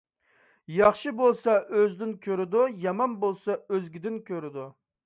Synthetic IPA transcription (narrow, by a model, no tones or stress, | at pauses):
jɑχʃɨbolˠsɑʔøzd̪ɪnkʲʰøɾɪd̪ujɑmɑnbolˠsɑøzɡʲɪd̪ɪnkʲʰøɾɪd̪u